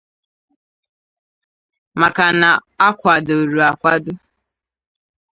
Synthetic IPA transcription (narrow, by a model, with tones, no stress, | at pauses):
ma˨ka˨na˨a˦kʷa˨do˨ɾu˨a˨kʷa˦dʊ˦